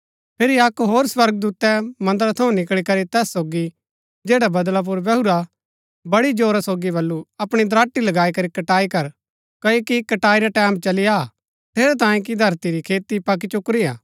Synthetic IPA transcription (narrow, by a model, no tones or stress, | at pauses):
pʰeːɾiɐkɦoːɾswɐɾɡ̚d̪uːt̪ɛmɐ̃nd̪əɾt̪ʰɐũnɪkɭikɐɾit̪ɛːsːoːɡi | d͡ʒeːɽabɐd̪lap̬ʊɾbɛɦuɾa | bɐɽid͡ʒoːɾasoːɡiβɐlːuɐpɽ̃id̪ɾaːʈːilɐɡaːikɐɾikɐʈaːikɐɾ | kɐjokikɐʈaːiɾaʈɛːmt͡ʃɐlɪja | t̪ʰeːɾɛt̪ãːjẽk̬id̪ʱɐɾt̪iɾikʰeːt̪ipɐk̬it͡ʃʊkɾia̰ː